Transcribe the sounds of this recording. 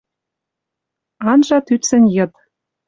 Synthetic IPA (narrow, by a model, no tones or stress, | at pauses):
ɑnʒɑt̪yt̪t͡sɘ̆nʲjɤ̆t̪